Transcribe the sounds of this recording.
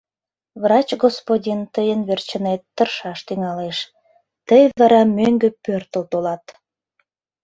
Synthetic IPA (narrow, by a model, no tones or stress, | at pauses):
vrɑt͡ɕɡospodʲint̪əjənβert͡ɕənet̪ːərʃɑʃt̪yŋɑleʃ | t̪əjβlɑɾɑmøŋɡøpørt̪əlt̪olɑt̪